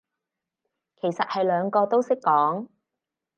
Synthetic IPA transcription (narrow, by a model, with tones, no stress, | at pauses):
kʰe˨˩jsɐ˨t̚hɐ˨jlœː˨˧ŋkɔː˧t̪o˥wsɪ˥kːɔː˨˥ŋ